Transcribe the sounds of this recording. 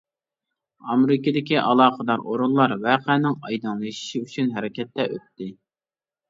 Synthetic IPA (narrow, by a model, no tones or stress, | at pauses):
ɑmeɾɪkɨd̪ɪkʲiʔɑlˠɑːqəd̪ɑɾʔoɾulˠlːˠɑɾvæqʰænɪŋɑjd̪ɨnlˠɨʃi̥ʃiyt͡ʃʰynɦɛɾɪkʲʰɛt̪ːɛʔø̰t̪ːɪ